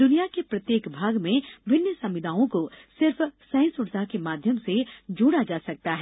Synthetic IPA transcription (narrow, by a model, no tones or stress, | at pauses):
d̪ʊnijakepɾɐt̪jeːkbʱaːɡmẽbʱɪnjəsɐ̃mʋɪd̪aːõkosɪɾfsɛ̃ːnsʊɾt̪akemaːd̪ʱjəmsed͡ʒuːɽad͡ʒaːsɐk̚t̪aɦɛː